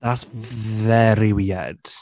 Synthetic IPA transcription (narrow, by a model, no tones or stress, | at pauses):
ðatvɛɾiwiːɛ̰d̥